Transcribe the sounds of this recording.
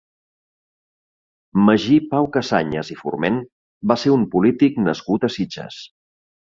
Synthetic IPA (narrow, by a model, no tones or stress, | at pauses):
məʒipawkəsa̰ɲəzifṵrmen | baseumpulit̪iknəskut̪əsid͡ʒə̰s